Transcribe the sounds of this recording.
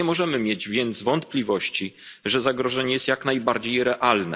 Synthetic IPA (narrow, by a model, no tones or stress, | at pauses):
ɛmɔʐɛmɘmʲjed͡ʑvʲjɛnt̪zvɔnt̪plʲivɔɕt͡ɕiʐɛzaɡɾɔʐɛɲɛjɛst̪jaknajbaɾd͡ʑejɾɛʔalnɛ̰